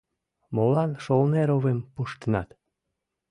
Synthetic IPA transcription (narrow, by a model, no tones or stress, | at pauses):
molɑnʃolneɾoβempuʃt̪ənɑt̪